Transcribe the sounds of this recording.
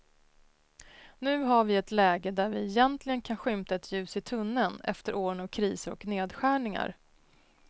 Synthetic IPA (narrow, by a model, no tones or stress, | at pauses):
nʉ̟ːɦaɾvɪɛt̪lɛːɡəd̪æɾvɪɛjɛnt̪lɪɡənkʰanɧʏmt̪aɛt̪ʰjʉ̟ːsɪt̪ʰɵnːənɛ̰ft̪əɾʔoːɾənavkʰɾiːsəɾɔ̰kneːd̪ɧæːɳɪŋa̰ɾ